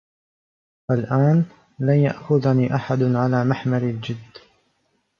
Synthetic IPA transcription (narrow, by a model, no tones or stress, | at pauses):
falʔaːn | lanja̰ʔxʊðaniːʔaħad̪ʕalaːmaħmaɾɪld͡ʒɪd̪ː